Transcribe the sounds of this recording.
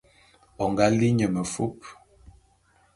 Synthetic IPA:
ɔ˨ŋɡa˦li˦ɲə˨mə˨fu˦p̚

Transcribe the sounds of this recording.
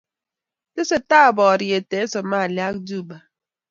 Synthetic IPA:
te˦se˦ta˦˨bɔ˨ɾje˨te˨˦sɔ˨ma˦˨lja˦k̚d͡ʒu˦˨ba˨

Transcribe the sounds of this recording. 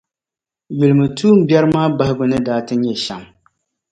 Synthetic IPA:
ɥu˨lɨ˨mɨ˨tʰuː˦m̩˦bjɛ˦ɾɨ˦maː˦ba˦hɪ˦ɡʊ˦nɨ˦daː˦tɨ˦ɲɛ˨ʃa̰˨m

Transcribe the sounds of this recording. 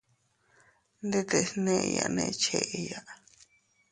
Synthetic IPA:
nd̪e˦t̪e˨˧snẽ˦ʔja̰˨nḛ̃˧˦t͡ʃe˧˨ʔe˧ja˧ʔ

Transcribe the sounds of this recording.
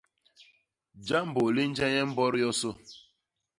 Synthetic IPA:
d͡ʒa˦m̩˦bo˨li˦n̩˦d͡ʒa˦ɲɛ˦m̩˦bɔ˦ɾjɔ˦so˦

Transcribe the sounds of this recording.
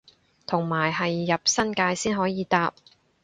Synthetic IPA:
t̪ʰʊ˨˩ŋmaː˨˩jɦɐ˨jːɐ˨p̚sɐ˥nkaː˧jsiː˥nɦɔː˨˥jiː˨˧t̪aː˨˧p̚

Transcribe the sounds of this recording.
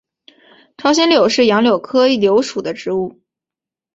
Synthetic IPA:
ʈ͡ʂʰɑ˥ʊɕ̬ɛ˥nljo˨˩ʊʂɻ̩˥˩jɑ˧˥ŋljo˨˩ʊkʰɤ˥i˥˩ljo˧˥ʊʂu˨˩d̪ə˦ʈ͡ʂɻ̩˧˥u˥˩

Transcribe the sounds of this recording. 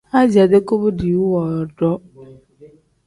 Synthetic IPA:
a˦d͡ʑi˨a˨de˦ko˦bo˦di˨wu˦wɔ˨ɖɔ˦

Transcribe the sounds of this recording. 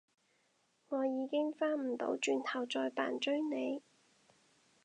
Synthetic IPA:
ŋɔː˨˧jiː˨˧kɪ˥ŋfaː˥m̩˨˩t̪o̰˨˥wt͡ʃyː˧nt̪ʰɐ˨˩wt͡sɔː˧jpa̰ː˨˩nt͡ʃɵ˥ɥne˨˧j

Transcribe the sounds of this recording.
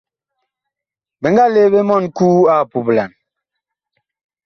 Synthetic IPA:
be˨ŋɡa˦le˦be˦mɔ˦˨nkuː˦a˦˨pu˨pla˨n

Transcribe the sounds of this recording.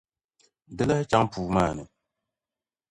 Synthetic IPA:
dɨ˦la˦t͡ʃa˦ŋpuː˨maː˦˨nɨ˨

